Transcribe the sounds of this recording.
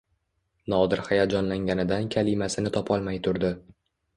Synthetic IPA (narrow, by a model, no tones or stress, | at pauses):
nɒd̪ɪɾhajat̪̚d͡ʒɒnlaŋɡʲanɪd̪ankʲʰalɪmasɪnɪt̪ʰɒpʰɒlˠmajt̪ʰʊɾd̪ɪ